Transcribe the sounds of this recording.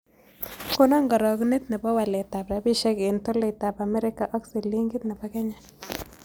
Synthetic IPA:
ko˦na˦ŋɡɔ˨ɾɔ˨knɪ˦t̪̚nɛ˨bɔ˦wa˨le˨ta˨pɾa˨bi˦ʃɛ˦kɪ˨nto˦le˨ta˨pa˨mɛ˦ɾɪ˦ka˨ʔɔ˦ksi˨li˦ŋɡɪ˦t̪̚nɛ˨bɔ˦kɛ˦ɲa˨

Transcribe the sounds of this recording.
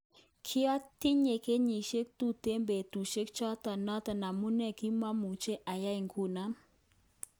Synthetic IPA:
kʰi˦a˦t̪i˦ɲe˨ke˦ɲi˨ʃe˦k̚t̪u˦˨t̪e˦mbe˨t̪u˨ʃe˦kt͡ʃɔ˦t̪a˨nɔ˦t̪a˨na˨mu˦nɛ˦˨ki˦ma˦mu˨t͡ʃe˦ʔa˨ja˦i˨ŋku˦˨na˦

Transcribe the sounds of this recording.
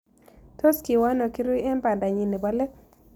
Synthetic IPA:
to˦ski˨wa˦nɔ˨ki˦ɾu˦ɛ˦mba˨nda˨ɲi˨ni˨ba˦lɛ˦k

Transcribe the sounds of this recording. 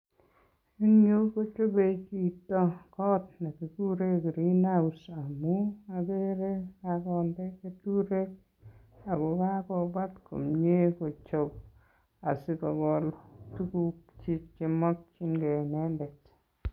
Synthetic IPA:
e˦ŋɲo˦ko˦t͡ʃo˦be˦t͡ʃi˦˨tːɔ˦kɔ˦t̚na˨ki˨ku˦ɾe˦kɾi˦na˦u˨sa˨mu˦a˨be˦ɾe˦a˨kɔ˨ndɛ˦ke˦tu˦ɾe˦k̚ | a˨ɡɔ˨ka˦kɔ˨ba˦tko̰˨mɲe˦ko˨t͡ʃo˨p̚ | a˨si˨kɔ˨ɡɔ˨ltu˦ku˨k̚t͡ʃi˦t͡ʃkɪ˦mɔ˦k̚t͡ʃi˦nɡɛ˨nɛ˦ndɛ˨t

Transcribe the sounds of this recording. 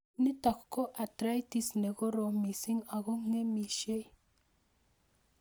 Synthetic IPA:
ni˦t̪a˨kko˦ʔa˨t̪ɾa˦jt̪i˦sne˨ɡo˦ɾo˨mi˨si˦ŋa˨ɣo˦ŋe˦mi˨ʃe˦j

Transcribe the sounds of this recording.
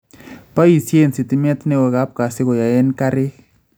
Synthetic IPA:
pa˦i˨sje˦˨nsi˨tɪ˦mɛ˦t̪nɛ˦wɔ˨ɣa˦p̚ka˨sɪ˦kɔ˨ja˨ɛ˦nka˦ɾɪ˦

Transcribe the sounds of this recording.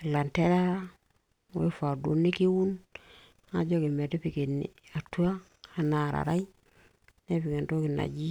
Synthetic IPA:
la˨nte˦ɾa˦ | we˦fa˨du˨ni˦ki˦wu˦n | a˨ɟo˦ki˨me˨de˦pi˨ke˨nḭ˨a˨tu˦a˦ | a˨na˨ɾa̰˨ɾa˦i˦ | ne˦pi˨ke˨ndo˦ki˨na̰˨ɟi˦

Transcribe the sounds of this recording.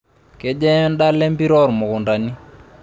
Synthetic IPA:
kɛ˦d͡ʒɛ˦nda˦lɛ˦mbi˦ɾɔ˦˨ɾmʊ˨ɣʊ˨nda˨ni˦

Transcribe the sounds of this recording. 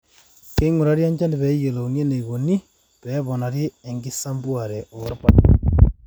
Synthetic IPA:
ke˦i˦ŋu˨ɾa˦ɾja˦ɲd͡ʒa˦ndi˨βɛ˨˦je˨lo˨ŋe˦ne˨i˨ɣo˨ni˦ | pɛ˦βɔ˨na˨ɾjeː˦˨ŋɡi˦sa˦mbwa˨ɾɛ˨o˨o˨ɾpat

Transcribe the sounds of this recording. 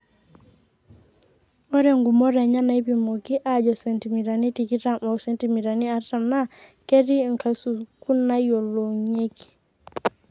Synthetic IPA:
o˦ɾe˨ŋɡu˨mɔ˦ɾɛ˨ɲa˦na˨i˦pi˨mo˨ki˦ʔa˨d͡ʒɔ˨sɛ˨nti˨mi˨ɾa˨ni˦ti˨ki˦ta˦mɔ˨sɛ˦˨nti˨mi˨ɾa˨ni˦a˨˦ɾta˨mna˦ | ke˦ɾi˦˨ŋ˨ka˨su˨ku˦na˦jo˨lo˨ɲe˦ki̥

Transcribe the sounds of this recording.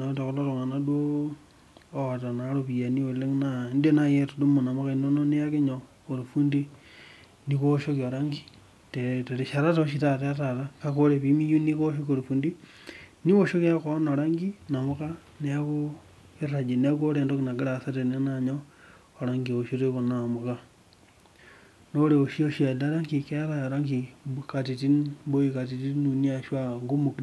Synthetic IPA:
no˨te˨ko˦lo˦ɾo˨ŋa˨na˦du˦o˦ | a˨ta˨na˨˦ɾo˦pi˨ja˨ni˦o˨le˦ŋna˨˦nde˦na˦˨je˦to˨du˦mo˨na˨mo˦ka˦i˨no˦no˦ne˦a˦ke˦ɲo˨ko˨ɾu˨fu˦ndi˦ | ni˦ko˦ʃo˦ki˨o˨ɾa˦ŋɡi˦ | te˨te˨ɾe˨ʃa˨ɾa˦ta˨o˦ʃ̬i˨ta˦˨ta˦a˦ta˨ta˦ka˦ko˦ɾe˨pi˦mi˦ju˦ni˦ko˦ʃ̬o˦o˨ɾu˨fu˨ndi˦ | ni˦woʃo˦ki˦ako˦no˨ɾaŋɡina˨mu˦ka˦ | nea˦ko˦ | e˦ra˨d͡ʒe˨ne˦a˦ko˦ɾeː˨ndo˦kina˨ɡe˦ɾasa˦ɾe˨ne˦naɲoː˦ | ɾaŋɡi˨oʃi˦ɾeko˨na˨mu˨ka˦ | noɾeo˨ʃi˦oʃia˨da˦ɾa˦ŋki˨keɾajaɾa˦ŋɡika˨ti˨ti˦nbo˦ika˨ti˨ti˦nu˨nia˨ʃwa˦ŋɡu˦mu˨k

